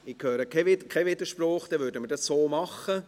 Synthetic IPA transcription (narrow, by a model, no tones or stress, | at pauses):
ɪkʰhøːɾəkʰɛʋɪdkʰɛʋɪd̪əʃprɔːχd̥̪ɛʋʏːɾdəmədɑsːoːmɑχə